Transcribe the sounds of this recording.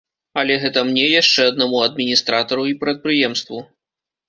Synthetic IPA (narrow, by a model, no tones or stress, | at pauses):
ɐlʲɛɣɛt̪ɐmnʲɛjaʂt͡ʂɛɐd̪namuɐd̪mʲinʲist̪ɾat̪ɐɾuipɾɐt̪̚pɾɨjɛmst̪vu